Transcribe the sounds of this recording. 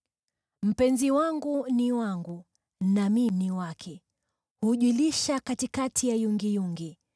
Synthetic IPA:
m̩pɛnziwaŋɡuniwaŋɡu | naminiwakʰɛ | huʄiliʃakatikatʰijajuŋɡijuŋɡi

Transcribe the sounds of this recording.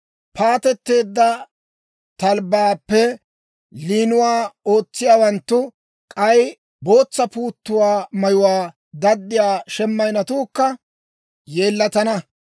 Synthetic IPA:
pʰaːt̪ɛt̪ːe̞ːd̪ːɐ | t̪ɐlbaːpːɛ | liːnʊwaːo̞ːt͡sːɪjaːwɐnt̪ːʊ | kʼɐj | bo̞ːt͡sːɐpuːt̪ːʊwaːmɐjʊwaː | d̪ɐd̪ːɪjaːʃɛmːɐjnɐt̪uːkːɐ | je̞ːlːɐt̪ɐnɐ

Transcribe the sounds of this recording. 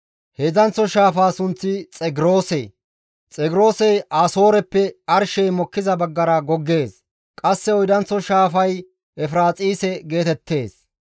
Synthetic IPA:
hezɐnt͡sːɔʃaːfaːsʊnt͡sːɪt͡sʼɛɡɾo̞ːsɛj | t͡sʼɛɡɪɾo̞ːsɛjʔaːso̞ːɾɛpːɛɐɾʃɛjmɔkːɪzɐbɐɡːɐɾɐɡɔɡːe̞ːs | kʼɐsːɛɔjd̪ɐnt͡sːɔʃaːfɐj | ɛfɾaːt͡sʼiːsɛɡe̞ːt̪ɛt̪ʰːe̞ːs

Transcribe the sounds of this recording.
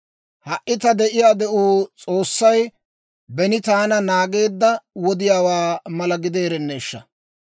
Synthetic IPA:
hɐʔːɪt̪ɐd̪ɛʔɪjaːd̪ɛʔuːt͡sʼo̞ːsːɐj | bɛnɪt̪aːnɐnaːɡe̞ːd̪ːɐwɔd̪ɪjaːwaːmɐlɐɡɪd̪e̞ːɾɛnːeːʃːɐ̰

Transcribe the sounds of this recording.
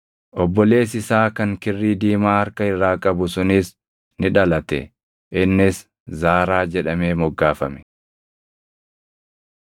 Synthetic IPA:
ʔɔbːɔle̞ːs̬ɪsaːkɐŋkɪrːiːd̪iːmaːhɐɾkɐɪrːaːkʼɐbʊsʊnɪs | nɪᶑɐlɐt̪ɛ̰ | ʔɪnːɪs | zaːɾaːd͡ʒɛᶑɐmeːmɔɡːaːfɐmɛ̥

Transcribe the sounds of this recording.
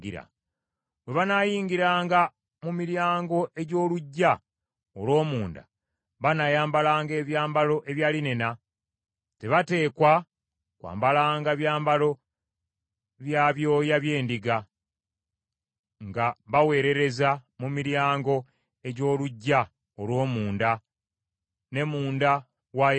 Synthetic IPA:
iɾa̰ | we̞βanaːjiːŋɡiɾaːŋɡa | mumiɾjaːŋɡo̞ʔe̞ɟo̞ːluɟːa | olo̞ːmuːnda̰ | βanajaːmbalaːŋɡe̞ːβjaːmbalo̞ʔe̞βjaːline̞na | te̞βate̞ːkwa | kwa̰ːmbalaːŋɡaβjaːmbalo̞ | βjaːβjo̞ːjaβje̞ːndiɡa | ŋɡaβawe̞ːɾe̞ɾe̞zamumiɾjaːŋɡo̞ | e̞ɟo̞ːluɟːa | olwo̞ːmuːnda | ne̞muːnda | wa

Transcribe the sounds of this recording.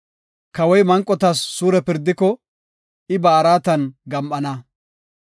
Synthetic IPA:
kɐwɔjmɐŋkʼːɔt̪ɐsːuːɾɛpɪɾd̪ːɪkɔ | ɪbaːɾaːt̪ɐnɡɐmʔɐnɐ

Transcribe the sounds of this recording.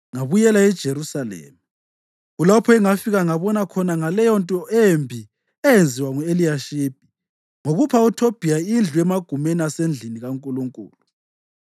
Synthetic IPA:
ŋaβujɛlaɛd̥ʒ̥ʱeɾusalḛːmi | ulapʰɔɛŋafiɣaŋaβɔnakʰɔnaŋalɛjɔntʼɔʔembʱi | ɛjend͡zʱiwaŋuelijaʃiːb̥̚ʱi̥ | ŋoɣupʰautʰob̥ʱijaind͡ɮʱuɛmaɡ̥ʱumɛnasend͡ɮʱiniɣaŋkʼuluŋkʼṵːlu

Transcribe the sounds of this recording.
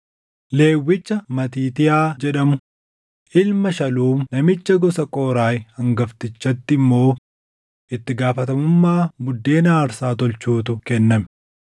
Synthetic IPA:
le̞ːwːɪt͡ʃːɐmɐt̪̬iːt̪ɪjaːd͡ʒɛᶑɐmʊ | ʔɪlmɐʃɐluːmnɐmɪt͡ʃːɐɡɔsɐkʼoːɾaːjhɐŋɡɐft̪ɪt͡ʃːɐt̪ːɪmːo̞ː | ʔɪt̪ːɪɡaːfɐt̪ɐmʊmːaːmʊd̪ːe̞ːnaːɾsaːt̪ɔlt͡ʃuːt̪ʊkɛnːɐmɛ

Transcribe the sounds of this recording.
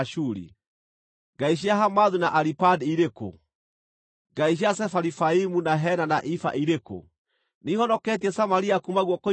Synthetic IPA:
ʃuɾḭ | ɡaiʃ̬iaɦamaðunaʔaɾipadiɾeko̰ | ɡaiʃ̬iasɛfaɾifaimunaɦɛnanaʔifa̰ʔiɾeko̰ | nihɔnɔkɛt̬iɛsamaɾiakumaɣwɔko

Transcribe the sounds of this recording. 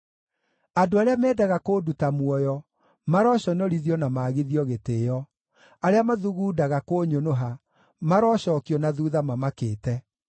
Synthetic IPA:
adoaɾeamɛːdaɣakoːdutamwɔjɔ | maɾɔɕɔnɔɾiðjɔnamaːɣeðiɔɣeteːjɔ | aɾeamaðuɣuːdaɣakoːɲonoɦa | maɾɔɕɔkiɔnaðuðamamakeːtɛ

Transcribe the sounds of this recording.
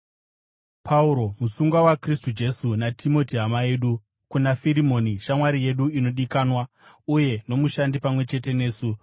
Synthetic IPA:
pʰauɾo̞musuŋɡawakristud͡ʒe̞sunatʰimo̞tiɦamae̞ːɗu | kunafiɾimo̞niʃamwaɾije̞ɗuino̞ɗikanwa | uje̞no̞muʃandipamwe̞t͡ʃe̞te̞ne̞ːsu

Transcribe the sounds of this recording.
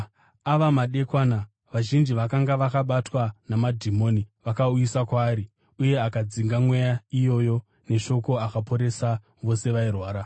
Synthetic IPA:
aʋamaɗe̞kwaːna | ʋaʒind͡ʒiʋakaŋɡaʋakaɓatwanamadʱimo̞ːniʋakauisakwaːɾi | uje̞akad͡ziŋɡamwe̞jaijo̞jo̞ | ne̞ʃo̞ko̞akapo̞ɾe̞sa | ʋo̞se̞ʋairwaːɾa

